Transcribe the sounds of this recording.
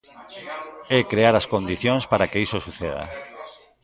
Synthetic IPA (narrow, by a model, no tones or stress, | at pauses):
ɛkɾeaɾaskond̪iθjõŋspaɾakeisosuθeða̰